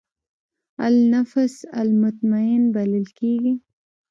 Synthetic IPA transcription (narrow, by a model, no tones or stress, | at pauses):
a̰lnafsa̰lmʊt̪maɪnbaləlkeɡi